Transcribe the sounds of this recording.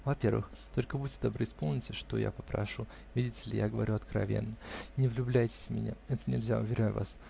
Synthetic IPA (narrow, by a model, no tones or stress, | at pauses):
vɐpʲe̞rvɨ̰xt̪o̞lʲkəbutʲːɪd̪ɐbɾɨspo̞lˠnʲɪtʲɪʂt̪o̰ja̰pəpɾɐ̰ʂu | vʲidʲɪtʲɪlʲɪjaɡəvɐɾʲuɐt̪kɾɐ̰vʲe̞̰nːənʲɪvlʲʊblʲæjtʲɪ̥sʲmʲɪnʲa̰ɛt̪ə̥nʲɪ̰lʲzʲaʊvʲɪɾʲæjvas